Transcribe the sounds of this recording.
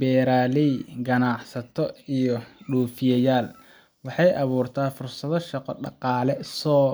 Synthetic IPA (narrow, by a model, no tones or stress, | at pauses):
bɛːɾaːlɛjɡɐnɑʕsɐt̪ʰɔijɔɖuːfɪjɐjaːl | wɑħɑjʔɑβuːrt̪ʰaːfʊrsɐðɔʃɑqɔɖɑqɑːlɛsɔː